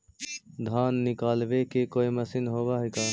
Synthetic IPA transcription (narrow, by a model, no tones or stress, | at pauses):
d̪ʱaːnːɪkaːlbekekoːiməsɪnɦoːbaɦikaː